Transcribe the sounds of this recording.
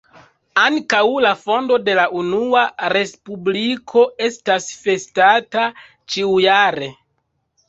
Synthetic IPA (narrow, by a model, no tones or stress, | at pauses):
aŋkawlafo̞ndo̞de̞laʔunuaɾe̞spublikʰo̞e̞stasfe̞stata | t͡ʃiujaɾe̞